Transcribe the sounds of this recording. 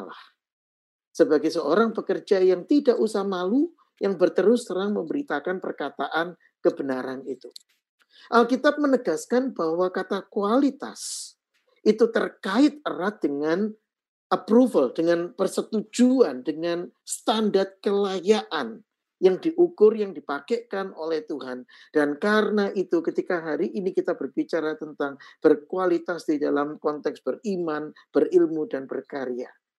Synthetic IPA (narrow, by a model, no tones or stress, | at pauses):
la̰h | səbaɡajsəoɾaŋpəkərd͡ʒajaŋt̪idaʔusahmalu | jaŋbərt̪əɾʊst̪əɾaŋməmbəɾit̪akanpərkat̪aʔan | kəbənaɾanit̪u | ʔalkit̪ap̚mənəɡaskanbahwakat̪akualit̪a̰s | ʔit̪ut̪ərkaɪt̪̚ərat̪̚dəŋan | ʔəpɾufəldəŋanpərsət̪ud͡ʒuandəŋanst̪andart̪̚kəlajaʔan | jaŋdiʔukʊrjaŋdipakekanolɛht̪uɦand̥ankaɾənaʔit̪ukət̪ikaɦaɾiʔinikit̪abərbit͡ʃaɾat̪ənt̪aŋb̥ərkualit̪asd̥idalamkɔnt̪ɛksb̥əriman | b̥ərilmudanbərkaɾja̰